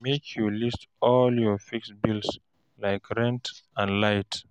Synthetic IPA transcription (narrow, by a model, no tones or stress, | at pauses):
mekʰjulistɔljɔfiksbils | laɪkɹɛ̃ntə̃nlaɪt